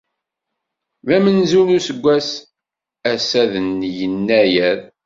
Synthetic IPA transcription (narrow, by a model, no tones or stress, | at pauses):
væmənzunusəɡʷːæs | æsæðənjənːæjæɾ